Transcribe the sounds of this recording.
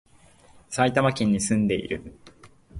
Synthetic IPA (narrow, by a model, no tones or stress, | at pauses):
sait̪amakʲĩɲ̟ːisɨ̃nd̪e̞ḭɾɯ̟